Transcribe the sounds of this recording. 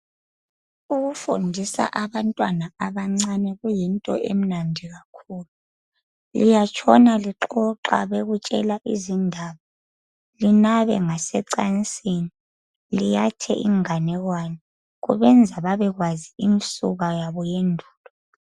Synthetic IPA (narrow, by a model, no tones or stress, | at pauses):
uɣufundʱisa̰ʔaβantʼwanaaβaŋ͡ǀanɛɣujintʼɔ̰ʔem̩nandʱiɣakʰuːlu | lijat͡ʃʼʰɔnaliǁɔǁa̰βeɣut͡ʃʼɛ̰laʔizindʱaːβa | linaβɛ̰ŋasɛǀant͡sʼini | lijatʰɛ̰ʔḭŋanɛɣwani | ɣṵβɛnd͡zʱaβaβɛɣwaziinsuɣajaβɔjendʱuːlɔ